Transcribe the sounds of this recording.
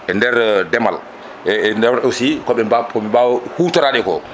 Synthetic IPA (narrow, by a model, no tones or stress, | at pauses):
ʔɛndɛɾdɛma̰l | ɛdɛaɾɛwsikɔɓɛakɔɓɛbawɔhuːtaɾaɗɛkɔ̰